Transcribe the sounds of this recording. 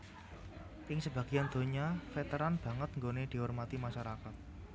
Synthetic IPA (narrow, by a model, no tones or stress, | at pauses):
ʔɪŋsəb̥ä̤ɡ̥iand̪̥o̤ɲafet̪əɾanb̥a̤ŋət̪̚ŋɡoned̪̥i̤ɔrmat̪imaʃaɾakat̪̚